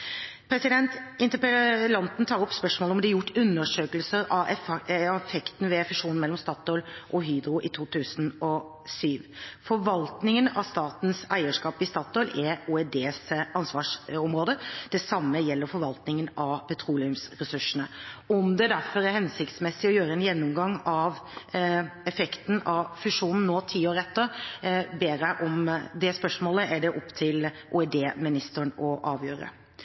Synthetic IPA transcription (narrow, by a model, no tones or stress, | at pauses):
pʰɾɛsɪd̪ɛnt̪ɪnt̪əplɑnt̪n̩t̪ʰɑːɾɔpːspœʂmoːləɔmd̪ɛæɾjʊʈːʉnːəʂøːkəlsəɾɑ | fɛkt̪n̩ʋɛɛfɪʂuːnn̩mɛlːɔmst̪ɑːt̪ɔʏlʔɔɦyːd̪ɾʊʔɪt̪ʰuːt̪ʰʉːsənɔ | syːʋfɔɾʋɑlt̪nɪŋənɑst̪ɑːt̪n̩sæɪəʂkɑːpɪst̪ɑːt̪ɔʏlɛuːɛd̪eːsɑnsʋɑːʂɔmɾoːd̪əd̪̥ɛsɑmːəjɛlːəɾfɔɾʋɑlt̪nɪŋənɑpʰɛt̪ʰɾuːlɪʉmsɾɛsʉʂənəɔmd̪ɛd̪æɾfɔɾæɾhɛnsɪkt̪smɛsːɪɔjøːɾəɛnjɛnːʊmɡɑŋːɑʋ | ɛfɛkt̪n̩ɑʋfʉʂuːnn̩ːoːt̪ʰiːoːɾəɛt̪ːəɾbeːɾæʔɔmd̪ɛspœʂmoːləʔæɖɛʔɔpːt̪ʰɪlʔṵɛd̪eːmɪnɪst̪əɳɔʔɑːʋjø̰ːɾə̰